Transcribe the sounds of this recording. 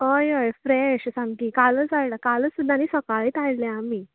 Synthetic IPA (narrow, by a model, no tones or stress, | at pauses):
əjəjfɾɛɕsãŋkiːkalət͡saɭlakaləsud̪ʱaniːsəkaɭiːt̪aɭlɛ̃amiː